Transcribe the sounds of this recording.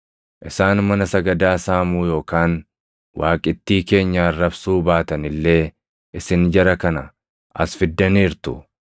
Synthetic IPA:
ʔɪsaːnmɐnɐsɐɡɐd̪aːsaːmuːjo̞ːkaːn | waːkʼɪt̪ːiːke̞ːɲːarːɐbsuːbaːt̪ɐnɪlːe̞ː | ʔɪsɪnd͡ʒɐɾɐkɐnɐ | ʔɐ̰sfɪd̪ːɐniːɾt̪ʊ̰

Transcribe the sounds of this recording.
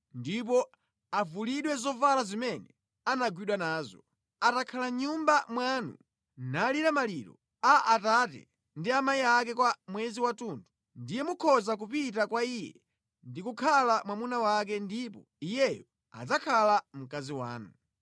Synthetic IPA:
ndip̬ɔ | avuliɗwɛzɔvalazimɛnɛ | anaɡwiɗwanaːzɔ | atakʰalaɲumbamwanṵ | naliɾamaliɾɔ̰ | aʔatatɛ̰ | ndiamaiak̬ɛkwamwɛziwatundu | ndijɛmukʰɔzakupitakwaijɛ̰ | ndikukʰalamwamunawak̬ɛndipɔ | ijɛjɔ | a̰d͡zakʰalam̩kaziwa̰ːnu

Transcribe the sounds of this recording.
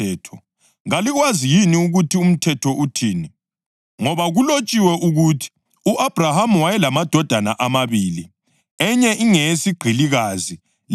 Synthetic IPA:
ɛːtʰɔ | ŋaliɣwazijiniuɣutʰium̩tʰɛtʰɔʔutʰiːni | ŋɔβaɣulot͡ʃʼiwɛʔuɣutʰi̥ | uʔab̥ʱrahamuwajɛlamad̥ʱɔd̥ʱanaʔamaβiːli | ɛɲɛʔiŋesiɡ͡ǃʱiliɣazi

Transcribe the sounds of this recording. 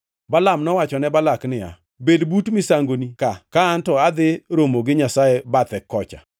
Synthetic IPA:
balamnɔwat͡ʃɔnɛbalaknɪja̰ | bedbutmɪsaŋɡonikakaːntɔad̪ɪɾomoɡɪɲasajɛbat̪ɛkːɔt͡ʃa̰

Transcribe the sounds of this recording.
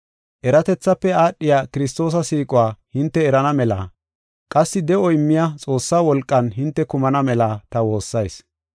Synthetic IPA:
ʔɛɾɐt̪ɛt͡sːɐpːɛaːɗːɪjaːkɪɾɪst̪o̞ːs̬ɐsiːkʼʊwaːhɪnt̪ːɛːɾɐnɐmɛla̰ː | kʼɐsːɪd̪ɛɔɪmːɪjɐt͡sʼo̞ːsːaːwɔlkʼːɐnɦɪnt̪ːɛkʊmɐnɐmɛlaːt̪ɐwo̞ːsːɐjs

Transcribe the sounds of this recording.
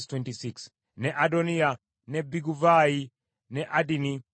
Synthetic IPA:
stwɛntisiks | nɛʔadɔnia | nɛbiɡuvai | nɛʔadini

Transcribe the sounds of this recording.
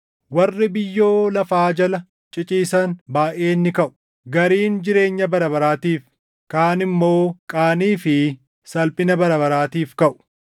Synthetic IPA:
wɐrːɪbɪjːo̞ːlɐfaːd͡ʒɐlɐ | t͡ʃʼɪt͡ʃʼiːsɐnbaːʔe̞ːnːɪkɐʔʊ̥ | ɡɐɾiːnd͡ʒɪɾe̞ːɲːɐbɐɾɐbɐɾaːt̪iːf | kaːnɪmːo̞ːkʼaːniːfɪ | sɐlpʼɪnɐbɐɾɐbɐɾaːt̪iːfkɐʔʊ̥

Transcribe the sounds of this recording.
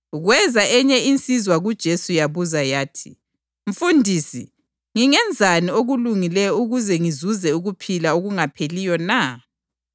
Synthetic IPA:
ɣwɛzaʔɛɲɛint͡sʼizwaɣud̥ʒ̥ʱesujaβuzajaːtʰi̥̰ | ɱ̩fundʱiːsi | ŋiŋɛnd͡zʱanioɣuluŋilɛjɔuɣuzɛŋizuzɛuɣupʰilaoɣuŋapʰelijɔna

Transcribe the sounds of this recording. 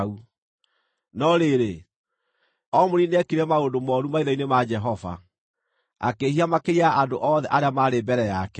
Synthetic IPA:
u | nɔɾeɾe | ɔmoɾineɛkiɾɛmaondomɔɾumaiɾɔinemad͡ʒɛɦɔva̰ | a̰kehiamakeɾiaandoʔɔðɛʔaɾeamaɾebɛɾɛjakɛ

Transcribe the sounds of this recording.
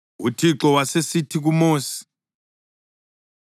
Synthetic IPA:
utʰiǁɔwasesitʰik̬umoːsi̥

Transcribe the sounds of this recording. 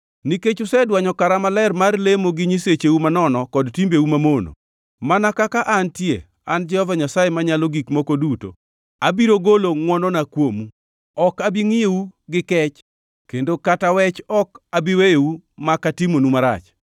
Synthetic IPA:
niket͡ʃʊsɛdwaɲɔkaɾamalɛrmarlemoɡɪɲiset͡ʃewumanɔnɔkɔdtimbeumamono̰ | manakakaʔantje | and͡ʒɛɔvaɲasajemaɲaloɡikmokoduto̰ | abiɾoɡoloŋwɔnɔnakwomu | ɔkabiŋɪewuɡɪkɛt͡ʃ | kendokatawɛt͡ʃɔkabiwejewumakatimonumaɾa̰t͡ʃ

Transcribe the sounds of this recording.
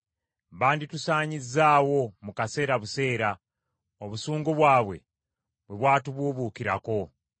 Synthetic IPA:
βaːnditusaːɲizːaːwo̞mukase̞ːɾaβuse̞ːɾa | oβusuːŋɡoβwaːβwe̞̰ | βwe̞βwaːtuβuːβuːkiɾa̰ko̞

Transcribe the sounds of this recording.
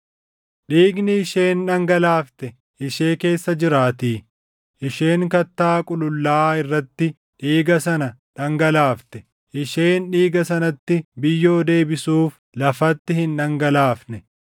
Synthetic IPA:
ᶑiːɡnɪɪʃe̞ːnᶑɐŋɡɐlaːft̪ɛ | ʔɪʃe̞ːke̞ːsːɐd͡ʒɪɾaːt̪iː | ʔɪʃe̞ːŋkɐt̪ːaːkʼʊlʊlːaːɪrːɐt̪ːɪ | ᶑiːɡɐsɐnɐᶑɐŋɡɐlaːft̪ɛ | ʔɪʃeːnᶑiːɡɐsɐnɐt̪ːɪbɪjːo̞ːd̪e̞ːbɪsuːf | lɐfɐt̪ːɪhɪnᶑɐŋɡɐlaːfnɛ

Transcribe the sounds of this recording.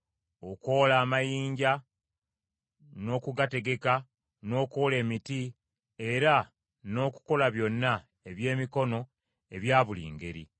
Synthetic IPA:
o̞koːlaːmajiːɲɟa | no̞ːkuɡate̞ɡe̞ka | no̞ːkole̞ːmiti | e̞ɾa | no̞ːku̥ko̞laβjo̞nːa | e̞βje̞ːmiko̞no̞ | e̞βjaːβulḭːŋɡe̞̰ɾḭ

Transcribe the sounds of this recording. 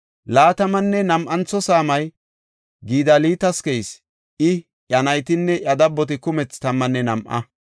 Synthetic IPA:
laːt̪ɐmɐnːɛnɐmʔɐnt͡sːɔsaːmɐj | ɡiːd̪ɐliːt̪ɐskɛjs | ʔɪ | ʔɐnɐjt̪ɪnːɛʔɐd̪ɐbːɔt̪ɪkʊmɛt͡st̪ɐmːɐnːɛnɐmʔɐ̰

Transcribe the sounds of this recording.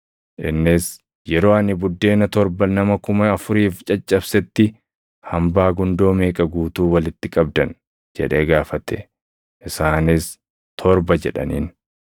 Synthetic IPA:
ʔɪnːɪs | jɛɾo̞ːɐnɪbʊd̪ːe̞ːnɐt̪ɔɾbɐnɐmɐkʊmɐɐfʊɾiːft͡ʃʼɐt͡ʃʼːɐbsɛt̪ːɪ | hɐmbaːɡʊnd̪o̞ːmeːkʼɐɡuːt̪uːwɐlɪt̪ːɪkʼɐb̚d̪ɐn | d͡ʒɛ̰ᶑeːɡaːfɐt̪ɛ̰ | ʔɪsaːnɪs | t̪ʰɔɾbɐd͡ʒɛᶑɐ̰nḭːn

